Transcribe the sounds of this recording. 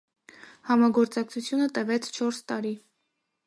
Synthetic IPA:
hɑmɑɡɔɾt͡sɑk̚t͡sʰut͡sʰjunət̪əvɛt͡sʰt͡ʃʰɔɾst̪ɑɾi

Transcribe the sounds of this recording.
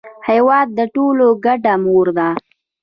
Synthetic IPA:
hajwɑd̪̚ːəʈoloɡaɖamoɾd̪a

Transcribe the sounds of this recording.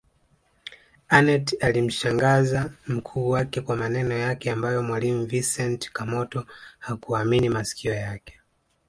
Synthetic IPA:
anɛtalim̩ʃaŋɡazam̩kʰuːwakɛkwamanɛnɔjakɛambajɔmwalimuvisɛntkamɔtɔhakuaminimasi̥kiɔjakɛ̥

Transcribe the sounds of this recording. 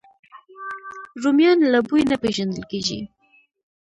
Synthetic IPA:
ɾumjɑnlabujnapeʒand̪əlkeʒḭ

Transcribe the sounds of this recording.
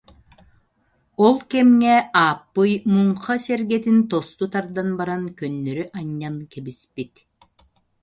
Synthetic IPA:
olˠkɛmŋɛaːpːɯjmuɴqɑseɾɡɛt̪int̪ost̪ut̪aɾd̪anbaɾaŋkønːøɾyʔaɲːaŋkɛbispit̪

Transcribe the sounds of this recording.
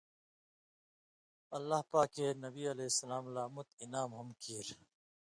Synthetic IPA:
ɐlːahpaːkeːnɐbiːɐleːsːɐlaːmlaːmut̪̚inaːmɦɐmkiːɾ

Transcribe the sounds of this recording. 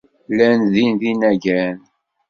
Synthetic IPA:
lænðinðinæʝæn

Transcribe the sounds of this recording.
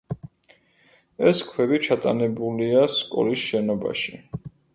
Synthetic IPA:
ɛskʰwɛbit͡ʃʰat̪ʼa̰nɛbuliaskʼɔ̰lisʃɛnɔba̰ʃi

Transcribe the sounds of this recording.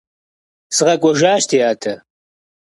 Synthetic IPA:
sɨʁɐkʷʼɔʒaːʃtʰijaːtʰɐ

